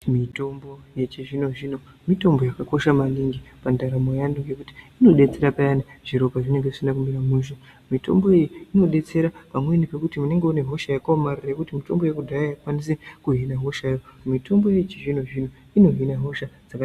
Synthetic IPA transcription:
mito̞mbo̞jet͡ʃiʐinoʐiːno̞ | mito̞mbo̞jakako̞ʃamaniŋɡipandaɾamojanduŋɡe̞kuti̥ino̞ɗe̞t͡se̞ɾapajanaʐ̥iɾo̞kaʐine̞ŋɡeʐisindakumiɾamuʃo | mito̞̰mbo̞ijiino̞ɗe̞t͡se̞ɾapamwe̞nipe̞kutimune̞ŋɡeoneɦo̞ʃajakaomarirekutimito̞̰mbo̞jekudʱajajakwanis̬ekuɦinaɦo̞ʃajomitʰo̞mbo̞je̞jt͡ʃeʐino̞ʐino̞ | ino̞ɦinaɦo̞ʃad͡zak

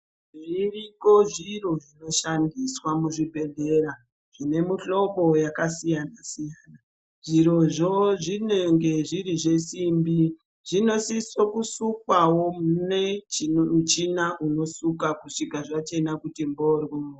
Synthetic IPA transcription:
ʐiriko̞ʐiro̞ʐino̞ʃandiswamuʐibʱe̞ɮe̞ɾa | ʐ̥ine̞muɬo̞ɓo̞jakasijanasijaːna | ʐiɾo̞ʐoʐineŋɡe̞ʐiriʐe̞simbi | ʐino̞sisokusukwawo̞muneut͡ʃinaʔuno̞sukakuʂikaʐat͡ʃe̞nakutimbo̞rwo

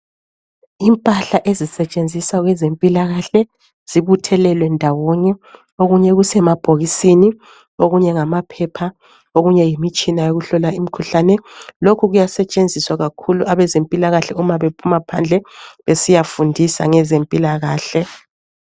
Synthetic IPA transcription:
impʼaɬaʔezisɛt͡ʃʼend͡zʱisaɣwɛzempʼilaɣaɬɛ | z̥iβutʰɛlɛlwɛndʱawɔɲɛ | oɣuɲɛɣusɛmab̥ʱoɣisini | oɣuɲɛŋamapʰɛpʰa | oɣuɲɛjimit͡ʃʼinajoɣuɬɔlaim̩kʰuɬanɛlokʰuɣujasɛt͡ʃʼend͡zʱiswaɣakʰuluaβɛzempʼilaɣaɬɛumaβepʰumapʰand͡ɮʱɛβesijafundʱisa̰ŋɛzempʼilaɣaːɬɛ

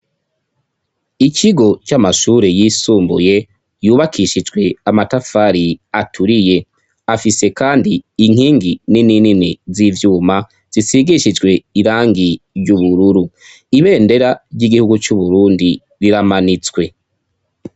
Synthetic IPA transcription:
iciɡo̞t͡ʃamaʃuːɾe̞jisuːmbuje̞ | juːβakʰiʃid͡ʒɡwe̞amatafaɾiatʰuɾije̞ | afise̞kaːndiːŋ̥hiːŋɡininininizivjuːma | z̥isiɡiʃid͡ʒɡwe̞iɾaːŋɡi | ɾɟuβuɾuɾu | iβe̞ːnde̞ɾaɾɟiɡihuɡut͡ʃuβuɾuːndi | ɾiɾamanit͡swe̞

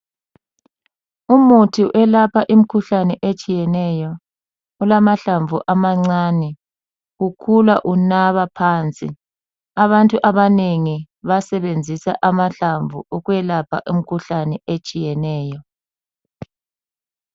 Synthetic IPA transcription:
umutʰiʔɛlapʰaʔim̩kʰuɬanɛʔet͡ʃʼijɛnɛjɔ | ulamaɬaɱvʱuʔamaŋ͡ǀaːnɛ | ɣukʰulaʔunaβapʰaːnt͡sʼḭ | aβantʼuʔaβaneŋi | βasɛβend͡zʱisa̰ʔamaɬaɱvʱṵuɣwɛlapʰa̰ʔim̩kʰuɬanɛet͡ʃʼijɛnɛːjɔ

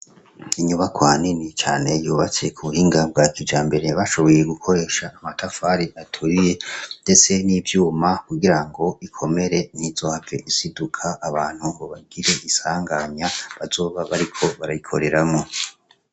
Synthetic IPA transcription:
iɲuβakwaːninit͡ʃa̰ːne̞juːβat͡se̞kʰuβuhiːŋɡab̚ɡaːkid͡ʒaːmbe̞ɾe̞βaʃo̞βo̞je̞ɡukʰo̞ɾe̞ʃaʔːmatafaɾiʔatʰuɾije̞nde̞t͡se̞niːvjuːmakuɡiɾaŋɡo̞ikʰo̞me̞ɾe̞n̥hiz̥o̞ːhavɡe̞ʔisidukʰaʔːβaːn̥huoβaɡiɾe̞ʔisaːŋɡaɲaβazo̞ːβaβaɾikʰo̞βaɾajikʰo̞̰ɾe̞ɾamŋo̞

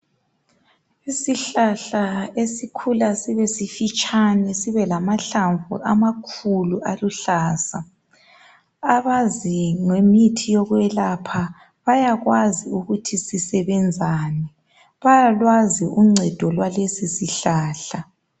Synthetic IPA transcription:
isiɬaɬaesikʰulasiβesifit͡ʃʼʰanɛsiβɛlamaɬaɱvṵʔamakʰuluʔaluɬaːsa | aβaziŋemitʰijɔɣwɛlapʰa | βajaɣwaziuɣutʰisisɛβɛnd͡zʱaːnɛ | βajalwaziuŋ͡ǀʱɛd̥ʱɔlwalesisiɬaːɬa

